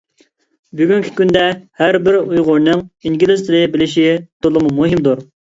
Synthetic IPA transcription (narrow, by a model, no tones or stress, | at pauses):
byɡʲyŋkʲʰi̥kʲynd̪ɛhæɾbɪɾujʁʊɾnɨŋiŋɡʲilɪst̪ʰɪɾɨbɪlɪʃit̪ʰolˠɨmumuɦimd̪uɾ